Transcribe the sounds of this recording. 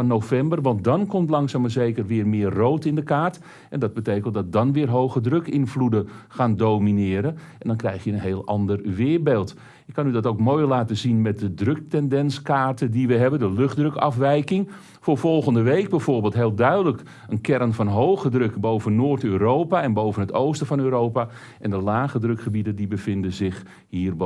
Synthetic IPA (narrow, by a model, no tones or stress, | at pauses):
nofɛmbərʋɑntdɔnkɔmtlɑŋsaːməzejkərʋɪːrmɪːərːowtɪndəkaːrt | ʔɛndɑd̚bətejkəntdɑt̚dɑnʋɪːrɦowɣədrøkɪnfludəxaːndowminɪːɾə | ɛndɔnkrɛjxjəənɦeːlˠɑ̰ndərʋɪːbeːlˠt | ɪkːɑnydɔtowkmoːjlaːtəzinmɛt̚dədrøk̚tɛndɛnskaːrtədiʋəɦɛbəndəløχdrøkɑfʋɛjkɪŋ | foːrvɔlˠɣəndəʋejk̚bɛjvʊːrbeːlˠtɦeːlˠdœɥdələk | ənkɛɾənfɑnɦowɣədrøkbowvənːoːrtøːɾowpaɛnbowvənətowstəvɔnøːɾowpa | ʔɛndəlaːɣədrøkχəbidədibəfɪndəzɪx | hiːərb